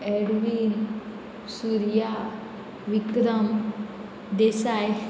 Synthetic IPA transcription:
eɖʋin | suɾja | ʋikɾɐm | d̪esaːj

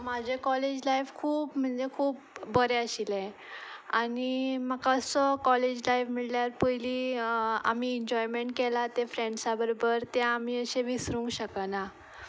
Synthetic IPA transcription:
mad͡ʑʱekɔled͡ʑlajfkʰuːpm̤əɳd͡zekʰuːp̚ːəɾeəɕilɛ̃ | animəkaəsəkɔled͡ʑlajfmiɭljaɾpəjli | a̰miɛɲd͡ʑɔjmeɳʈ̚kelat̪efɾẽɳɖsabəɾobəɾt̪jãamiəɕeʋisɾuŋkɕəkəna

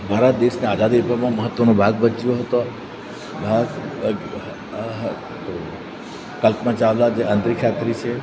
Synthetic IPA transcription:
bʱaːɾət̪̚d̪eʃneaːd͡ʒad̪ipəɾmãməɦət̪ːʋənõbʱaɡ̚bət͡ʃijoɦət̪o | bʱaɡ | ɦ | t̪o | kəlpmãt͡ʃaʋlad͡ʒeʔə̃nt̪ɾikʰat̪ɾit͡ʃʰe

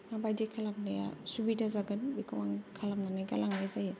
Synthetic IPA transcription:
ŋabajdikʰalam̚naja̰subidazaɡɯnbikʰɯwaŋkʰalamnanajɡalaŋlajzaji

